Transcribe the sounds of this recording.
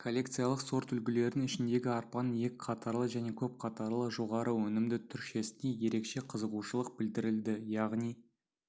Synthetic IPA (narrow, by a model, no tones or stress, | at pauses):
kʰo̞lʲːe̞kt̪sɨjɑlˠəqso̞ɾt̪ʏlɡʲɪle̞ɾnɪŋɪʃɪnd̪e̞ɡʲɪɑɾpɑnje̞kʲqʰɑt̪ɑɾlˠəʒæne̞kʲʰɵp̚qʰɑt̪ɑɾlˠəʒo̞ʁɑɾəwɵnɪmd̪ɪt̪ʰʏɾʃe̞sɪneje̞ɾe̞kʃe̞qʰəzəʁuʃəlˠəq̚bɪld̪ɪɾɪld̪ɪjɑʁnij